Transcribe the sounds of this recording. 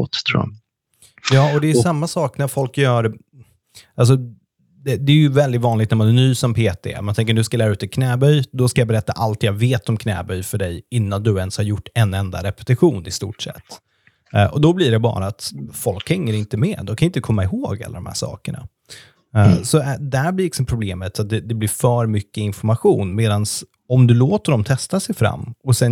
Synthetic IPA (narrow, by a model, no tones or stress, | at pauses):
ɔt̪t̪ʰɾ̰a̰ | jɑːɔd̪ɛːsamːasɑːknæɾfɔlkjœːɾ | ʔals̬ɔ | d̪ɛd̪ɛːɾjɵvɛld̪ɪt̪vɑːnlɪɡt̪næɾmanænyːsɔmpʰeːt̪ʰḛmant̪ʰɛŋk̬əɖɵskalæːɾaʉ̟ːt̪ɛkʰnɛːbœjd̪ɔskajabɛɾɛt̪ːa̰ʔalt̪jɑveːt̪ɔmkʰnɛ̰ːbœjfœɖɛjɪnːand̪ɵɛnshaɾjʊʈːɛnɛnd̪a̰ɾɛpɛ̥t̪ɪɧuːnɪst̪ṵːʈsɛ̰t̪ː | ʔɔd̪ɔbliɖɛbɑ̰ːɾaːt̪fɔlkhɛŋːəɾɪnt̪əmɛːd̪ɔmkʰanɪnt̪əkʰɔmːaɪhoːɡa̰lːaɾɔmhæ̰ːʂɑ̰ːkəɳa̰ | sɔd̪æɾblɪɾlɪksɔmpʰɾʊbleːmət̪sat̪̚d̪ɛd̪ɛblɪɾfœːɾmʏkːəɪnfɔɾmaɧuːnmeːd̪ans | ɔmd̪ɵloːt̪əɖɔmt̪ʰɛst̪asɛjfɾa̰mːɔsɛn